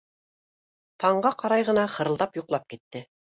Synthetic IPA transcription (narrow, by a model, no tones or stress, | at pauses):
t̪ʰɑɴɢɑqɑɾɑjʁɤ̆nɑχɤ̆ɾɤlˠd̪ɑpjuqlˠɑp̚kit̪ːɘ